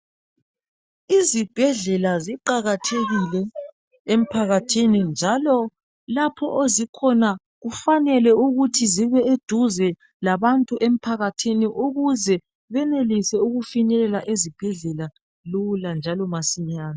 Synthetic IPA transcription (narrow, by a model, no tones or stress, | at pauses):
izib̥ʱɛɮɛlaziǃaɣatʰeɣilɛ | em̩pʰaɣatʰinind͡ʒʱalɔ | lapʰɔʔozikʰɔna | ɣufanɛlɛuɣutʰiziβɛed̥ʱuzɛ | laβantʼuʔem̩pʰaɣatʰiniʔuɣuzɛ | βɛnelisɛuɣufinɛlɛlaʔezib̥ʱɛɮɛla | luland͡ʒʱalɔmasiɲaːna